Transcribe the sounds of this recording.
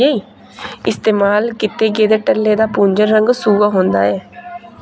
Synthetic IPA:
eːiː | ɪst̪eːmaːlkɪt̪eːɡeːd̪eːʈəlːeːd̪aːpũːɲd͡ʒəɾːəŋɡsuːaːɦõːnd̪a̰ːɛː

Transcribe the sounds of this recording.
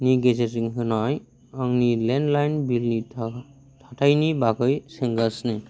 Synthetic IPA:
niɡesesiŋɦɯnɔj | ɔŋnilɛndlajnbilni | t̪ʰatʰajnibakɯjseŋɡasne

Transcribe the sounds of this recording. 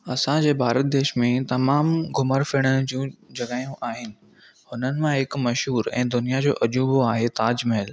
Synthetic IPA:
ɐsãd͡ʑeːbʱaːɾət̪̚d̪eːʃmẽt̪ɐmaːmɡʱʊməɾfɪɽ̃əd͡ʑũːd͡ʑɐɡaːjũʔaːɦɪnɪ̆ | hʊnənɪ̆mãɦɪkmɐʃɦuːɾɛ̰̃ːd̪ʊnijad͡ʑo̰ːʔɐd͡ʑuːboaːɦet̪aːd͡ʑmɪəl

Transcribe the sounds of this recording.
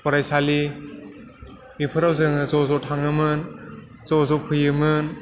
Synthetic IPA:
pɔɾajsali | bipʰɯɾawzɯŋɯzɔzɔtʰaŋɯmɯn | zɔzɔpʰɯjɯmɯn

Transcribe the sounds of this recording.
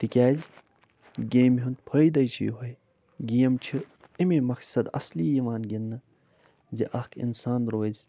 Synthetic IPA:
t̪ikʲaːz | ɡeːmɦunt̪̚pʰɐid̪ɐjt͡ʃʰḭjṵɦɐj | ɡijɐmt͡ʃʰi | imemɐksɐd̪ɐ̰sliːjiʋaːnɡinːɨ | ziʔɐhkʰḭnsaːnɾoːzʲ

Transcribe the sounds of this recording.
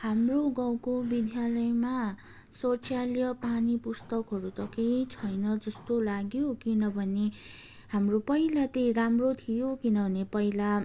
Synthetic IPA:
hamroɡʌwkobid̪jalʌjma | sot͡sʰjaljʌpanipust̪ʌkɦʌɾut̪ʌkejt͡sʰʌjnʌd͡zʌst̪olaɡjokinʌbʱʌne | hamropʌilat̪ejramrot̪ʰijokinʌbʱʌnepʌila

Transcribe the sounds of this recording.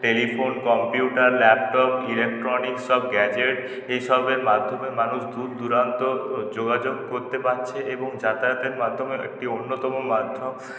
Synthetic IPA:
ʈelifonkɔmpjuʈaɾlɛp̚ʈɔpilek̚ʈɾɔnikʃɔbɡɛd͡ʑeʈ | ejʃɔbeɾmad̪ʱomemanuʃd̪ud̪d̪uɾant̪od͡ʑoɡad͡ʑoɡkoɾt̪ebant͡ɕʰeeboŋd͡ʑat̪at̪eɾmad̪ʱːomeḛk̚ʈionːot̪ɔmomad̪ʱom

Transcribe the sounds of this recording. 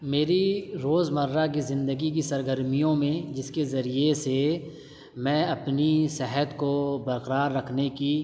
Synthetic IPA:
meːɾiɾoːzmɐɾːak̬izɪ̃nd̪əɡik̬isɐɾɡəɾmijõmẽd͡ʒɪskezɐɾiese | mɛ̃ːɐpnisɛɦət̪kobɐɾqəɾaːɾːɐkʰneki

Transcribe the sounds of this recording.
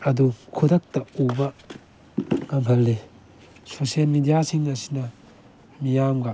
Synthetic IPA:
ɐdukʰudɐk̚tɐubɐ | ŋɐmɦɐlːe | sosielmidijasiŋɐsi̥nɐ | mijamɡɐ

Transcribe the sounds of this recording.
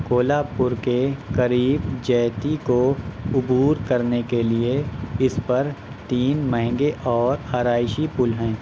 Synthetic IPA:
koːlaːpʊɾkekɐɾiːbd͡ʒɛːt̪ikoʊbuːɾkɐɾnekelieɪspɐɾ | t̪iːnməɦŋɡeʔɔːɾaːɾaːɪʃipʊlɦɛ̃ː

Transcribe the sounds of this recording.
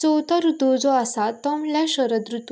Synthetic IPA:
t͡sɔwt̪əɾud̪od͡zɔasat̪ɔmljaɕəɾəd̪ɾut̪

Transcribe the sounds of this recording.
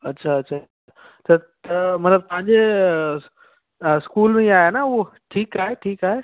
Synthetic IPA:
ɐtːɕʰaɐʃʰa | a | ɐt͡ɕʰat̪ɐmɐt̪ləb̚t̪ɐ̃ɦə̃ɲd͡ʑe | skuːlmẽiaːɦenauʈʰiːkaːɦeʈʰiːkaːɦe

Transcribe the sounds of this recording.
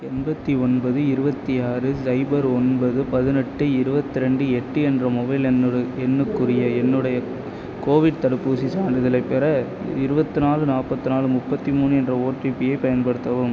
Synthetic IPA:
ɛnbɐt̪ːiɔnbɐðɯɪɾɯbɐt̪ːiaːɾɯsɐɪbɐɾɔnbɐðɯpɐðɯnɛʈːɯɪɾɯbɐt̪ːɯɾɛɳɖɯɛʈːɯɛndrɐmʊbɐɪlɛnːɯɽɯɛnːɯkːɯrɪjɐɛnːɯɽɐjɐ | koːʋɪɽt̪ɐɽɯpːuːsisaːɳɖɯðɐlɐɪpːɛɾɐ | ɪɾɯbɐt̪ːɯnaːlɯnaːpːɐt̪ːɯnaːlɯmʊpːɐt̪ːimuːnɯɛndrɐoːʈripːɪjɐɪpɐjɐnpɐɽɯt̪ːɐʋɯm

